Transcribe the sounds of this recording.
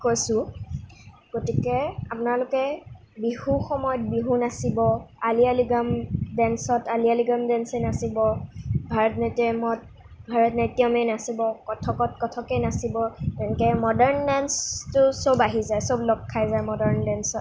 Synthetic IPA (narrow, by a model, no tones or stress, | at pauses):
kojsʊ̃ | ɡ̥otikɛapʊnalʊkɛ | bihuxɔmɔjɔt̚biɦunasibɔalialiɡamdɛnsɔtalialiɡamdɛnsɛnasibɔbʱaɹɔtnɛtiɔmɔt̚ | bʱaɹɔtnatijɔmenasibɔkɔtʰɔkɔtkɔtʰɔkɛnasibɔtɛnkɛmɔdɛɹndɛnstʊsobaɦizajsoblɔkʰːajzajmɔdɛɹndɛnsɔt̚